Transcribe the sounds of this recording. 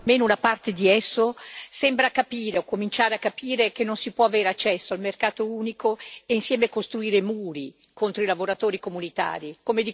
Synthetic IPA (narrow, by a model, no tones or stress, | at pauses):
meːnounapart̪ed̪iɛsːosɛmbɾakapiːɾeokːomint͡ʃaːɾeakːapʰiːɾekenːonsipwɔaveːɾeat͡ʃːɛsːoalmerkaːt̪ouːnikʰoeinsjɛːmekost̪ɾuiːɾemuːɾi | kont̪ɾoilavoɾat̪oːɾikomunit̪a̰ːɾikomed̪i